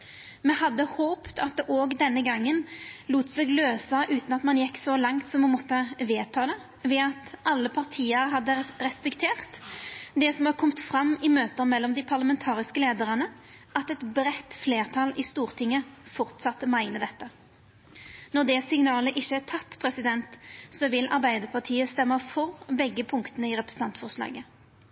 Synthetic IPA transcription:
mɛhɑd̪ːəhoːpt̪ʰɑt̪̚d̪ɛʔoːɡd̪ɛnːəɡɑŋːənluːt̪seːɡløːsɑʔʉːt̪nɑt̪mɑnjɛkːsɔlɑŋt̪sɔmːɑnmɔt̪ːəʋeːt̪ʰɑːd̪ɛ | ʋɛɑt̪ʔɑlːəpʰɑʁt̪ʰiːəɾɦɑd̪ːəɾɛspɛkt̪ʰeːʁt̪d̪ɛsɔmɑkʰɔmt̪fɾɑmːɪmøːt̪əmɛlːɔmd̪ɪpʰɑʁləmɛnt̪ʰɑːʁɪskəleːd̪əʁənə | ʔɑt̪ɛt̪bɾɛt̪ːfleːʁt̪ʰɑlɪst̪uːʁt̪ʰɪŋːəfɔʁt̪sɑt̪mæɪnəd̪ɛt̪ːə | nɔʁd̪ɛsɪŋnɑːləʔɪçːəæt̪ʰɑt̪ːpʰʁɛsɪd̪ɛnt̪sɔʋɪlʔɑ̰ɾbæɪd̪əʁpʰɑʁt̪ʰiːəst̪ɛmːəfɔʁbɛɡːəpʰʊŋkt̪ənəɪʁɛpɾəsn̩ɑnt̪fɔʁʂlɑ̰ːɡə

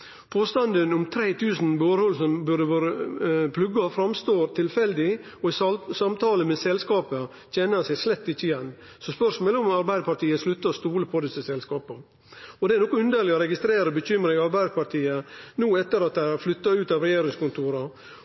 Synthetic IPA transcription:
pʰoːst̪ɑnd̪ənʊmt̪ʰɾeːt̪ʰʉːsn̩boːɾhɔlsɔmbʉɖəʋøːɾəpʰlʉɡːɑfɾɑmst̪oːɾt̪ʰɪlfɛld̪ɪ | ɔɪsɑmt̪ʰɑːləmɛsɛlskɑːpə | çɛnəsæɪslɛt̪ːɪt͡ʃːəɪjɛnː | sɔspœʂmoːləɔmɑɾbæɪd̪əpɑʈ̪iːəslʉt̪ːəst̪uːləpʰɔd̪ɪsəsɛlskɑːpə | ɔd̪ɛæɾnɔkːɔnʉnd̪əlɪɔɾɛɡɪst̪ɾeːɾəbəçʏmɾəɪɑɾbæɪd̪əpɑʈiːənuːɛt̪ːəɾɑt̪̚d̪æɪæɾflʏt̪ːɑʉːt̪ɑːʋɾɛjeːɾɪŋskʊnt̪ʰuːɾɑ

